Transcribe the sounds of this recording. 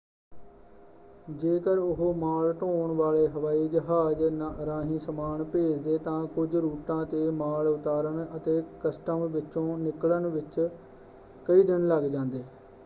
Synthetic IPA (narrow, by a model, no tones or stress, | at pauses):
d͡ʒeːkəɾʊɦoːmaːlʈoːɳʋaːleːɦəʋaːiːd͡ʒəɦaːd͡ʒɾãːɦĩːsəmaːɳpeːd͡ʒd̪eːt̪ãːkʊd͡ʒɾuːʈãːt̪eːmaːlʊt̪aːɾəɳət̪eːkəsʈəmʋɪt͡ʃõːnɪklənʋɪt͡ʃ | kəiːd̪ɪnləɡd͡ʒãːnd̪eː